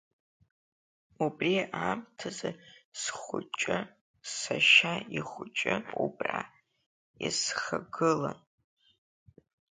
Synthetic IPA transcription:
ubriamtʰazasχʷʊ̰t͡ʃʼɪɨ | saʃaiχʷʊt͡ʃʼɪubra | isχaɡɨlan

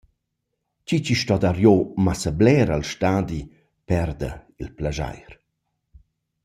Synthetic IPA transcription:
t͡ʃit͡ʃiʃtɔd̪aɾjomasablɛːɾalʃtaːd̪i | pɛɾd̪ə̰ | ilplaʒa̰jɾ

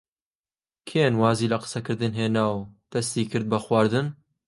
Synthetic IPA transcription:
kʰeːnwaːziːlɐqə̥sɐkɨɾd̪ɨnɦeːnaːwd̪̥ɐst̪iːkʰɨɾd̪̚bɐxwaːɾd̪ɨn

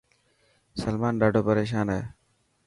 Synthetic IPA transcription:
səlmaːnɗaːɖʱoːpəɾeːʃ̬aːnaeː

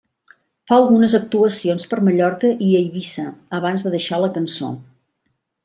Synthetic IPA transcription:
faəlˠɣunəzək̚t̪uəsionspəɾməʎɔɾkəʔiəjβisəːβanzðəðəʃaləkənso̰

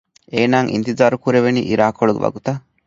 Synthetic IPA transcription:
eːnaːŋʔḭnt̪izaːɾukuɾeʋeniʔiɾaːkoɭuɡʋʔɐ̰ɡut̪ɐ

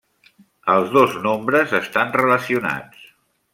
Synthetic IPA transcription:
əlˠzðoznombɾəzəst̪anrələsiuna̰t͡s

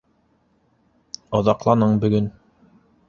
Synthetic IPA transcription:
ŏðɑqlˠɑnɤɴbɵ̆ɡɵn

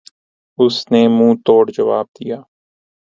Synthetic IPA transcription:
ʊsneːmũːt̪oːɽd͡ʒəʋaːb̚d̪ijaː

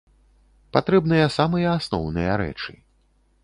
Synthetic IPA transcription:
pat̪ɾɛbnɨjɐsamɨjɐasnɔ̰wnɨjɐɾɛ̰t͡ʂɨ

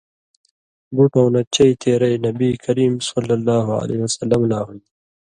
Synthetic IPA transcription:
buʈownɐt͡ɕɐit̪ʰeːɾɐjnɐbiːkɐɾiːmsʌlːɐlːaːɦua̰lḛːwɐsɐlːɐmlaːɦɽi

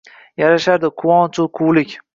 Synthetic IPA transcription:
jaɾaʃaɾd̪ɪkʰʊwɒnt͡ʃʰʊkʰuːlɪkʲ

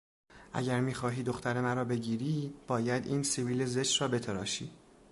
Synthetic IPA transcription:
ʔæ̰ɟæɾmiːxɒːɦiːd̪oxt̪ʰæɾe̞mæɾɒːbe̞ɟiːɾiːb̥ɒːjæd̪iːnsiviːleze̞ʃɾɒːbe̞t̪ʰeɾɒ̰ːʃiː

